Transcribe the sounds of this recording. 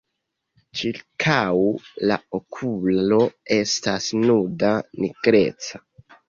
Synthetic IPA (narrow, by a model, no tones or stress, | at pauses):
t͡ʃiɾkʰawla̰okʰulo̞e̞stasnudaniɡ̥ɾe̞̰t͡sḁ